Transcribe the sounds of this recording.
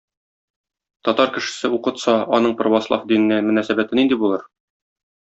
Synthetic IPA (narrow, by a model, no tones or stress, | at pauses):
t̪ɒt̪ɑɾkɘ̆ʃɘ̥̆sɘuqɤ̆t̪sɑɒnɤɴprovɑslˠɑ̰fd̪inɘ̆nænmɵ̆næsæbæt̪ɘnind̪ibulˠɤɾ